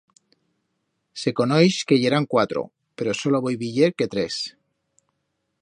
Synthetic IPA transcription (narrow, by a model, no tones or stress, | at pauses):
se̞ko̞nojske̞ʝeɾaŋkwat̪ɾo̰ | pe̞ɾosoloβojβiʎeɾket̪ɾes